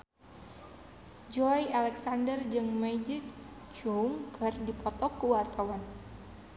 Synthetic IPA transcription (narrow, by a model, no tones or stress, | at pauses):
d͡ʒɔjalɛksandərd͡ʒɨŋmajd͡ʒit̪ | t͡ʃuŋkʰərdipʰɔt̪ɔkːuwarkawan